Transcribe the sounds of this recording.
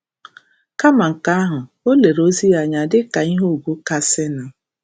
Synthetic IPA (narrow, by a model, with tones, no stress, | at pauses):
ka˦ma˨ŋ̩˨ka˦a˦ɦʊ˨ | o˦le˨ɾo˦zi˦ja˨ɲa˨dɪ˦ka˨i˦ɦo˦˨ɡʷu˦ka˦sɪ˦na˨